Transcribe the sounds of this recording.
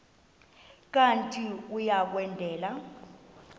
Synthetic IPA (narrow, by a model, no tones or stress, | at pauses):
k̬ʼantʼiujak̬wɛndʱɛːla